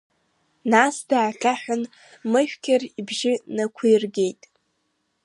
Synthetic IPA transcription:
nasdaːɬʰaħʷᶣʊn | mɨʃᶣkʲʰaribʒɪnakʷʰijrɡʲe̞jtʼ

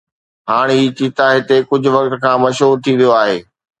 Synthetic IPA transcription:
ɦaːɽ̃iːt͡ɕiːt̪aɦɪt̪ekʊd͡ʑʱʊ̆ʋɐkt̪̆kʰãːmɐʃɦuːɾt̪ʰĩd̪ijoaːɦeː

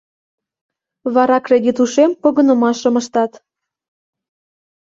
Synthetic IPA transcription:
βɑɾɑkred̪ʲit̪uʃempoɣənə̆mɑʃə̆mə̆ʃt̪ɑt̪

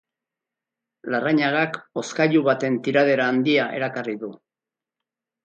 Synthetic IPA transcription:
laraɲaɣako̞skaʎuβat̪e̞nt̪iɾað̞e̞ɾaːnd̪iaʔe̞̰ɾakariðu

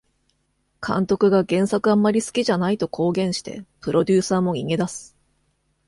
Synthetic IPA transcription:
kʰã̰nt̪o̞kɯ̟ɡaɡẽ̞ɰ̃sakɯ̟ãmːaɾʲisɨ̥kʲiʑanait̪o̞kʰo̞ːɡẽ̞ɰ̃ɕi̥t̪e̞̰pɯ̟ɾo̞d̪ʲɨːsaːmo̞ɲʲiŋe̞d̪asɨ̥

